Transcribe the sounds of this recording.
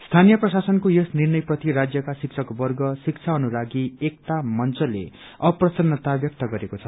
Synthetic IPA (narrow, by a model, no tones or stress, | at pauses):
st̪ʰanijʌprʌsasʌnkojʌsnirnʌjprʌt̪iɾad͡zjʌkasik̚t͡sʰʌkbʌrɡʌsikt͡sʰaʌnulaɡiek̚t̪amʌnt͡sʌlḛ | ʌprʌsʌnːʌt̪abjʌk̚t̪ʌɡʌɾekot͡sʰʌ